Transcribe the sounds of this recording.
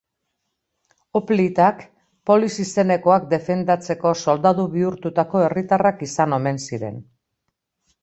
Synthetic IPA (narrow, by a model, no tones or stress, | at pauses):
oplit̪ak | po̞lisise̞ne̞ko̞ak̚d̪e̞fe̞nd̪at͡se̞ko̞so̞ld̪aðuβiuɾt̪ut̪ako̞e̞rit̪arakisano̞me̞nsiɾe̞̰n